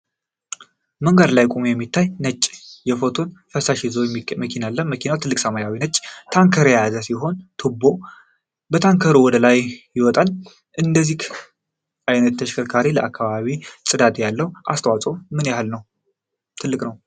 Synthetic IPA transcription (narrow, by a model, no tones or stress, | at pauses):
məŋɡad̪lajkʼumjɛmːit̪ʰːajnət͡ʃʼːjɛfo̞t̪ʰo̞nfəsaʃizoməkʰinalːənməkʰinawt̪ʰɨlːɨkʼsəmajawinət͡ʃʼːt̪ʰaŋkʰəɾjazəsiɦo̞nt̪ʰubːo̞ | bət̪ʰaŋkʰəɾowɔd̪əlajjɪwɔt̪ʼal | ʔɨnd̪əzːih | ʔajnət̪ːʰəʃkʰəɾkʰaɾiləʔakʰːaβaβisʼɨd̪at̪ʼjalːəwʔa̰st̪ʰəwat͡sʼomɨnjahalnəw | t̪ʰɨlːɨkʼnəw